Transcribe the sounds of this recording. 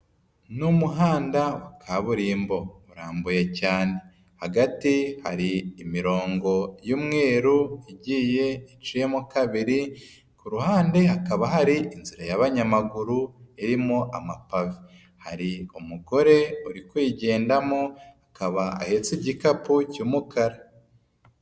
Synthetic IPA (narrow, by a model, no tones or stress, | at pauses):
numuɦaːndawakʰaβuɾimbo̞uɾaːmbuje̞caːne̞ | haɡatiha̰ɾiːmiɾo̞ːŋɡo̞juːmŋe̞ːɾuiɟiːje̞it͡ʃije̞mokaβiɾi | kuɾuhaːnde̞ɦakaβaɦaɾiʔinziɾajaβaɲamaɡuɾuiɾimoʔamapavi | haɾiumuɡo̞ɾe̞uɾikwiːɟe̞ːndamohakaβaa̰he̞t͡siɟikapucuːmukʰaɾa